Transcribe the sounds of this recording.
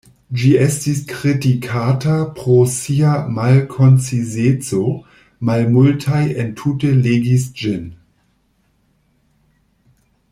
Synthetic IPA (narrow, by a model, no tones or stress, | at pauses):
d͡ʒiestiskʁitikʰatapɾosiamalkʰont͡sizet͡so | malmultʰajentʰuteleɡisd͡ʒin